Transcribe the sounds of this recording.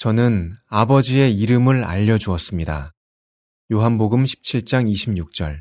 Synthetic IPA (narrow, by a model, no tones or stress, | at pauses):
t͡ɕʌnɯnabʌd͡ʑie̞iɾɯmɯɭa̰ʎːʌd͡ʑuʌs͈ɯmɲida̰ | joɦanboɡɯmɕʰi̥p̚t͡ɕʰiɭt͡ɕ͈aŋiɕʰimɲuk̚t͡ɕ͈ʌ̰ɭ